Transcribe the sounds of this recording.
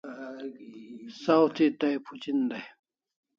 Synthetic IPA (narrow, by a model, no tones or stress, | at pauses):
sawt̪ʰit̪ajpʰut͡ɕind̪aj